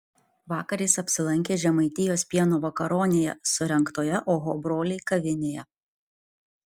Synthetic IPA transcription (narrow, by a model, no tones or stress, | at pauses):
ʋɑːkɐɾʲiːsɐpʲsʲɪlˠɐŋʲkʲeːʒʲɛmɐɪt̪ʲɪjoːsʲpʲiɛnoːʋɐkɐɾoːnʲejɛ̰sʊɾʲɛŋˑkt̪oːjɛʔoːɦoːbɾoːlʲeɪkɐʋʲɪnʲeːjɛ